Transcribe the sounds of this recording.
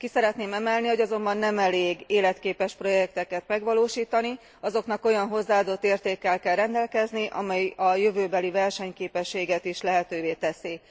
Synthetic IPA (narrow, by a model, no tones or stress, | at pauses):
kisɛɾɛt̪neːmɛmɛlniho̞ɟɒzo̞mbɒnːɛmɛleːɡeːlɛt̪keːpɛʃpro̞jɛk̚t̪ɛkɛt̪mɛɡʋɒloːʃiːt̪ɒni | ɒzo̞knɒko̞jɒnɦo̞zːaːd̪o̞t̪ːeːrt̪eːkːɛlkɛlrɛnd̪ɛlkɛzniʔɒ̰mɛjɒjøvøːbɛlivɛrʃɛɲkeːpɛʃːeːɡɛt̪iʃlɛɦɛt̪øːveːt̪ɛsi